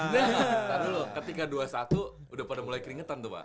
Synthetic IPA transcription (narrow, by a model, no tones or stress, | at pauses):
jat̪abilʊkət̪ikaduasat̪uː | dahpadamulajkəɾiŋət̪ant̪uba̰